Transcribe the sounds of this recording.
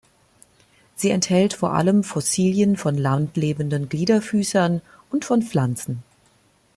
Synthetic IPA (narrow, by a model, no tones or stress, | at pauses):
z̥iːɛnthɛltfoːɐʔa̰ləmfɔsiːljənfɔnlantleːbən̩dənɡliːdɐfyːsɐn | ʔʊntfɔnp͡flant͡sn̩